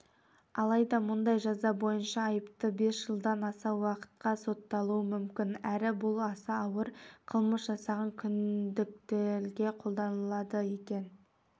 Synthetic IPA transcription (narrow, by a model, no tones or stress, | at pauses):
ɑlˠɑjd̪ɑmʊnd̪ɑjʒɑzɑbo̞jənʃɑːjəpt̪əbe̞sʒ̥əlˠd̪ɑnɑsɑwɑqə̥t̪̚qɑso̞t̪ːɑlˠuəmʏmkʲɪnæɾɪbʊlˠɑsɑːwəɾqʰəlˠməsʒɑsɑʁɑŋkʲʰʏnd̪ɪk̚t̪eɾɡʲe̞qʰo̞lˠd̪ɑnəlˠɑd̪əje̞kʲe̞n